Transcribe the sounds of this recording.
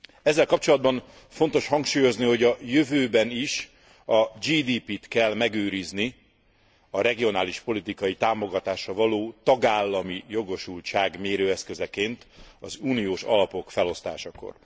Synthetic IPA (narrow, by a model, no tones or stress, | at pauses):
ɛzːɛlkɒp̚t͡ʃo̞lɒd̪bɒn | fon̪t̪o̞ʃhɒŋkʃuːjo̞zniɦo̞ɟɒjøvøːbɛniʃ | ɒd͡ʒiːd̪iːpit̪kɛlmɛɡøːɾizni | ɒɾɛɡio̞naːliʃpo̞lit̪ikɒjit̪aːmo̞ɡɒt̪aːʃɒvɒloːt̪ɒɡaːlːɒmijo̞ɡo̞ʃult͡ʃaːɡmeːɾøːɛskø̞zɛkeːnt̪ɒ̰zuːnijoːʃɒ̰lɒpo̞kfɛlo̞st̪aːʃɒko̰r